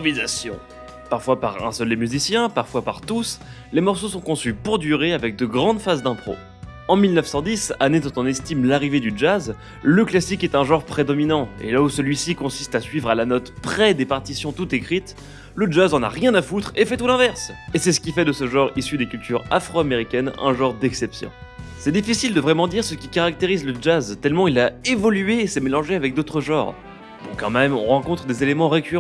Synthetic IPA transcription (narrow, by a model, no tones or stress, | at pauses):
vizasjɔ̰̃ | paʁfwapaʁɛ̰̃səld̪emyzisjɛ̃paʁfwapaʁt̪us | lemɔʁsosɔ̃kɔ̃sypuʁd̪yʁeavɛk̚d̪əɡʁɑ̃d̪fazd̪ɛ̃pχo̰ | ɑ̃milnəfsɑ̃d̪isaned̪ɔ̃t̪ɔ̃nɛst̪imlaʁived̪yd͡ʒaz | ləklasikɛt̪ɛ̃ʒɑ̃ʁpχed̪ɔminɑ̃ḛlausəlɥisikɔ̃sist̪asɥivʁalanɔt̪pχɛd̪epaʁt̪isjɔ̃t̪ut̪ekχit̪ | ləʒazɑ̃na̰ʁjɛ̃nafut̪χefɛt̪ulɛ̃vɛʁsesɛsə̥kʲifɛd̪əsəʒɑ̃ʁisyd̪ekʲylt̪ʰyʁa̰fχoameʁikʲɛnɛ̰̃ʒɑ̃ʁd̪ɛksɛpsjɔ̰̃ | sɛd̪ifisild̪əvʁɛmɑ̃d̪iʁsəkʲikaʁak̚t̪eʁizləd͡ʒazt̪ɛlmɑ̃ilaevɔlyeːsəmelɑ̃ʒeavɛk̚d̪ot̪χəʒɑ̃ːʁ | b̥ɔ̰̃kɑ̰̃mɛmɔ̰̃ʁɑ̃kɔ̃t̪χəd̪ezelemɑ̃ʁekʲyʁ